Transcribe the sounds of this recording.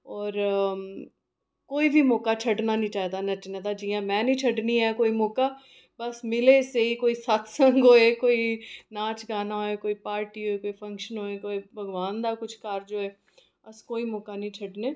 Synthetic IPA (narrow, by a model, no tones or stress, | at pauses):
ɔːɾ | koːibʱimɔːkat͡ʃʰɐɖnanĩt͡ʃaːɦd̪anɐt͡ʃned̪ad͡ʒiːjãmɛ̃ːnĩt͡ʃʰɐɖniɛkoːimɔːka | bɐsmɪleseikoːisaːt̪ʰsə̃ŋɡɦoːekoːinaːt͡ʃɡaːnaɦoekoːipaːɾʈiɦoːekoːifɐ̃ŋkʃənɦoːekoːibʱɐɡʋaːnd̪akʊt͡ʃʰkaːɾd͡ʒoːɛː | ɐskoːimɔːkanɐɦĩt͡ʃʰɐɖneː